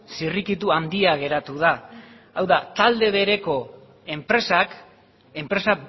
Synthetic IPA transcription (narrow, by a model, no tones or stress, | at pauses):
sirikit̪̬uand̪iaɣe̞ɾat̪uð̞a | awðat̪ald̪e̞β̞e̞ɾe̞ko̞ | e̞mpɾe̞sak | e̞mpɾe̞sa